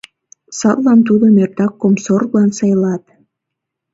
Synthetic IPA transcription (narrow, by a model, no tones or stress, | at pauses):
sɑllɑnt̪ud̪omert̪ɑkːomsorβlɑnsɑjlɑt̪